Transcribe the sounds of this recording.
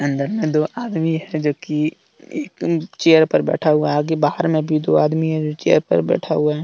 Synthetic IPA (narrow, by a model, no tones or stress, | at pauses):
ə̃nd̪əɾmẽd̪oːʔaːd̪miɦɛd͡ʒoːki | eːkt͡ʃeːəɾpɐɾbɛ̰ːʈʰaɦʊaɦɡebaːɦəɾmẽbʱid̪oːaːd̪miɦɛd͡ʒoːt͡ʃeːə̰ɾpə̰ɾbɛ̰ːʈʰaɦʊaɦɛː